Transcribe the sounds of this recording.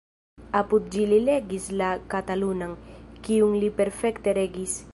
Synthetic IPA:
aput̪̚d͡ʒilileɡislakat̪alunaŋkiuŋlipeɾfekt̪eɾeɡis

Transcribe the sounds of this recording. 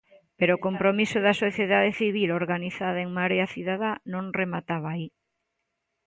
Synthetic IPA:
peɾoːkompɾomisoðasoθjeðaðeθiβ̞iloɾɣaniθaðaeŋmaɾeaθiðaðanõŋremat̪aβaai

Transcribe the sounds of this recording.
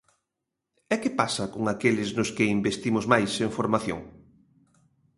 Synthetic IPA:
ɛkɪpasɐkoŋakelɪznʊskɪimbest̪imʊzmajseɱfoɾmaθjo̰ŋ

